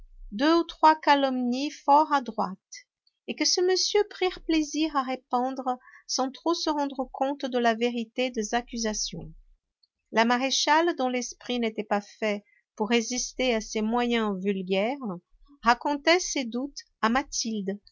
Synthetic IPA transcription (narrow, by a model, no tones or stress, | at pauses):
d̪øut̪χwakalɔmnifɔʁad̪ʁwat̪ | ekəsəməsjøpχiʁpleziʁaʁepɑ̃d̪ʁəsɑ̃t̪χosəʁɑ̃d̪ʁəkʰɔ̃t̪d̪əlaveʁit̪ed̪ezakʲyzasjɔ̰̃ | lamaʁeʃald̪ɔ̃lɛspχinet̪ɛpafɛ | puʁːezist̪easemwajɛ̃vylɡʲɛʁ | ʁakɔ̃t̪ɛsed̪ut̪ | amat̪ʰild̪